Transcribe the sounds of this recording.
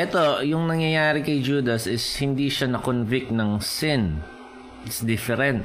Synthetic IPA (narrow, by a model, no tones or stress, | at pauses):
ʔɛt̪o̞jʊŋnɐŋjɐjaːɾɪkɐjd͡ʒuːd̪ɐsɪshɪnd̪iʃanɐkonvɪk̚t̪nɐŋsɪn | ɪsd̪ɪfɛɾɛnt̪̚